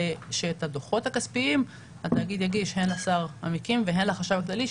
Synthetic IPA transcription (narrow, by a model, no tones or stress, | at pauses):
ʃeːt̪ad̪oχo̞t̪hakaspiim | at̪ajaɡid̪jaɡiʃhe̞nlasaʁa̰mikimveɦe̞nlaχaʃavaklali